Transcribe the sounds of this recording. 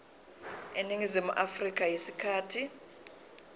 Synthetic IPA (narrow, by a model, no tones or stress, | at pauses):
eniŋizimuʔafrik̬ʼajisi̥kʰaːtʰi